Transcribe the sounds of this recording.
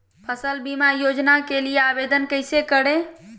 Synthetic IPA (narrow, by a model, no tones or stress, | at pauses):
pʰəsəlbimajod͡ʒnakelijeabed̪ənkəɪjsekəɽe